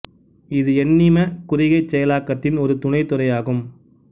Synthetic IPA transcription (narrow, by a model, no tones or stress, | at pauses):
ɪðɯɛnːɪmɐkʊrɪɣɐɪt͡ʃːɛjɐlaːkːɐt̪ːɪnɔɾɯt̪ʊɳɐɪt̪ːʊɾɐjaːɣɯm